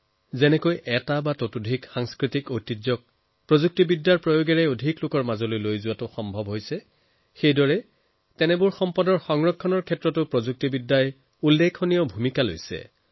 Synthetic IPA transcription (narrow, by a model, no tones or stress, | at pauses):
zɛnɛkojʔɛtabatotudʱikxaŋskɹitikojtid͡ʒɔk̚ | pɹozuk̚tibidːaɹpɹojoɡɛɹɛodʱiklʊkɔɹmazɔlojlojzʊwatʊxɔmbʱɔbɦojsɛ | xejdɔɹɛ | tɛnɛbʊɹxɔmpɔdɔɹxɔŋɹɔkʰːɔnɔɹkʰɛtɹɔtʊpɹozuk̚tibidːaj | ulːekʰonijɔbʱumikalo̰jsɛ̰